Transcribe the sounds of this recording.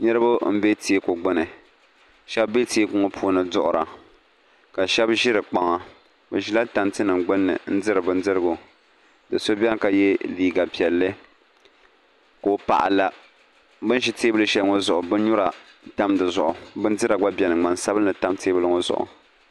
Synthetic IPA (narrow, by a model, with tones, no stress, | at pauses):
ɲɨ˦ɾɨ˦bʊ˦m̩˦be˦ti˨e˦ko˨ɡ͡bɨ˦nɨ˨ | ʃɛ˦bːe˦ti˨˦e˦kʊ˦ŋo˦pʰuː˦nɨ˨dʊ˦ʔʊ˨ɾa̰˨ | ka˨ʃɛ˦bʒi˦ɾɨ˨k͡pa˨ŋa˨ | bɨ˨ʒi˦la˦ta˨mtɨ˦nɨ˨ŋɡ͡bɨ˦nːɨ̰˨n̩˦dɨ˦ɾɨ˨bɨ˦n˦dɨ˦ɾɨ˦ɡʊ˨ | dɨ˨so˦bʲɛ˦ŋ˦ka˨jɛ˦liː˨ɡa˨pi˨ɛ˨lːɨ˦ | koː˨pa̰˨ʔa̰˨la˨ | bɨ˦n˦ʃi˦teː˦bɨ˦lɨ˦ʃɛ˦lŋo˦zʊ˨ʔʊ˨bɨ˦n˦ɲʊ˦ɾa˨ | ta˦mdɨ˨zʊ˨ʔʊ˨bɨ˦n˦dɨ˦ɾa˨ɡ͡ba˦bʲɛ˨nɨ˨ŋ͡ma˨nsa˦bɨ˦nɨ˨ta˦mteː˦bɨ˦lɨ˦ŋo˦zʊ̰˨ʔʊ̰˨